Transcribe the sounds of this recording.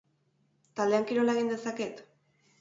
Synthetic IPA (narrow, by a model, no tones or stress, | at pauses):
t̪ald̪e̞aŋkiɾo̞laeɣ̞ind̪e̞sake̞t̪